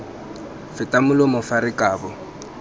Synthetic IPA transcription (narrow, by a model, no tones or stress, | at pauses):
fɪtʼamʊlɔmʊfaɾɪkʼaːbɔ